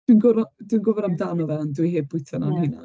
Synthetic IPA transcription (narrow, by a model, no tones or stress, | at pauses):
d̥winɡʊɾadwinɡʊvɛɾamdanɔðɛndwiheːd̚bʊjtʰɔnanhɪna̰